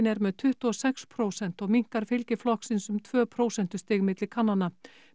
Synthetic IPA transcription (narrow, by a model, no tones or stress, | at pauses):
nɛɾmɛðt̪ʰʏht̪uɔsɛkspʰɾoːwsɛn̥t̪ɔɣmiŋ̥kaɾ̥fɪlcɪflɔhksɪnsʏmt̪ʰvœːpʰɾoːwsɛn̥t̪ʏst̪ɪːɣmɪt̪lɪkʰanːanːa